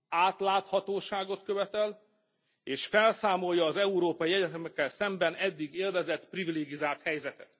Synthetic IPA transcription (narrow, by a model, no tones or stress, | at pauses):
aːt̪laːt̪hɒt̪oːʃaːɡo̞t̪kø̞vɛt̪ɛl | eːʃfɛlsaːmo̞lːɒːzɛuɾoːpɒjiɛɟɛt̪ɛmɛkːɛlsɛmbɛnɛd̪ːiɡeːrvɛzɛt̪privileːɡizaːlt̪hɛjzɛt̪ɛt̪